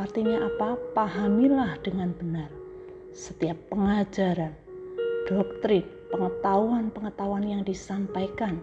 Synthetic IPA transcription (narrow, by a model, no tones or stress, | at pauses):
art̪iɲaʔapapaɦamilahd̥əŋanbənar | sət̪iapːəŋad͡ʒaɾan | d̥ɔk̚t̪ɾinpəŋət̪auanpəŋət̪auanjaŋdisampajkan